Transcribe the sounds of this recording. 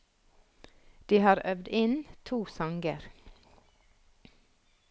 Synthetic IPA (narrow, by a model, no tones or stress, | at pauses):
d̪̥iːhɑːɾœʋd̪ɪnt̪ʰuːsɑŋɡəɾ